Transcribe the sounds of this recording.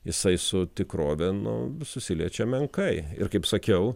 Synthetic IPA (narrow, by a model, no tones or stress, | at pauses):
jɪsɐɪsʊt̪ʲɪkɾoːʋʲɛnʊ̰sʊsʲɪlʲiɛt͡ʃʲɛmʲɛŋkɐɪɪ̰ɾkɐɪpsɐkʲɛʊ